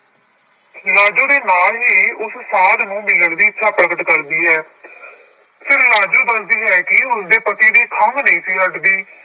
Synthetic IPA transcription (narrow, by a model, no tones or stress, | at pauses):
laːd͡ʒõːd̪eːnaːlɦeːʊssaːlnũːmɪlːəɽd̪iːɪtːʃʰaːpəɽəɡət̪kəɾd̪iːɦɛː | pʰɪɾlaːd͡ʒuːbənd̪iːɦɛːkɪɦʊnd̪eːpət̪iːd̪iːkʰəmnəĩːsiːɦəʈd̪iː